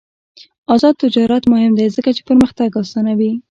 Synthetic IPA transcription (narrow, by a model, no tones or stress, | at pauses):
ɑzɑd̪̚t̪ːɪd͡ʒɑɾat̪mʊhɪmd̪ejzəkat͡ʃe̥pəɾməxt̪aɡɑst̪anawi